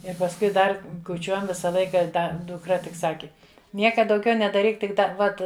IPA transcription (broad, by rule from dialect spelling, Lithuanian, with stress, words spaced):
ɪr pɐsˈkʊɪ ˈdɐr kʊˈt͡ʃʲuɔjɛm ˈʋʲɪsɐ ˈlˠɐɪkɐ ˈdɐ dʊkˈrɐ tʲɪk ˈsɑːkʲɪ ˈnʲiɛkɐ dɐʊˈɡʲɛʊ nʲɛdɐˈrʲiːk tʲɪk ˈdɐr ˈʋɐt